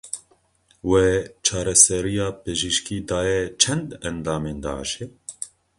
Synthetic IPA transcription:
weːt͡ʃʰɑːɾɛsɛɾijɑːpeʒiʃkiːd̪ɑːjɛt͡ʃʰɛnd̪ɛnd̪ɑːmeːnd̪ɑ̰ːʕʃeː

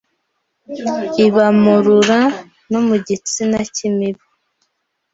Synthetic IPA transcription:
iβamuɾuɾa | nomuɟit͡sinacimiβu

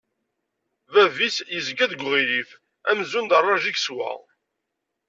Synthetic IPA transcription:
vævisjəzɡæðɡʷʁilif | æmzund̪ərˤːɑʒikswæ̰

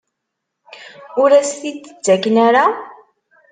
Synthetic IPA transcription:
ʊɾæsθit̪ːət͡sːækːnaɾa

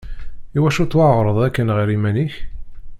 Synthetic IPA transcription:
iwæʃut̪ːwʕʁɾˤəðˤækːənʁəɾimæniç

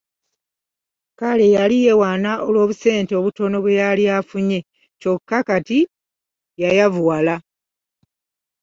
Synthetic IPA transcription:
kale̞jalije̞waːnaʔolwo̞ːβuse̞ːnteo̞βuto̞no̞βwejalijafuɲe̞ | co̞kːakati | jajavuwala

